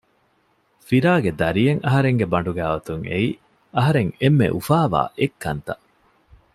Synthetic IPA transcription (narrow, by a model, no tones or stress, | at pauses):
fiɾaːɡed̪ɐɾijeŋʔɐɦɐɾeŋɡebɐɳɖuɡæːʋɐt̪uŋʔḛi | ɐɦɐɾeŋemːḛʔufaːʋa̰ːʔekːɐ̰nt̪ɐ